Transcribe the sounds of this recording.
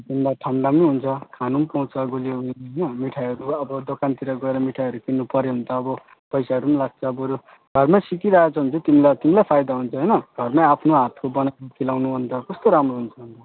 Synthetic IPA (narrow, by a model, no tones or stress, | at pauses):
bʌnd̪aʈʰanɖamjɦunt͡sʰʌkʰanumpaw̃t͡sʰʌɡulijoɡʌjniɦʌjnʌmiʈʰaɦʌɾuʌbʌd̪okant̪iɾʌɡʌeɾʌmiʈʰaɦʌɾukinːupʌɾeɦunt̪ʌːbʌ | pʌjsaɦʌɾumlaɡ̚t͡sʰʌːbʌɾu | ɡʱʌrmasikiɾaat͡sʰʌɦunt͡sʰʌt̪imilat̪imilajpʰajd̪aɦunt͡sʰʌɦʌjnʌɡ̥ʱʌrmaapʰnoɦat̪ʰkobʌnakʰilawnuɦunt̪ʌkʌst̪oɾamɾoɦunt͡sʰʌɦunt̪ʌ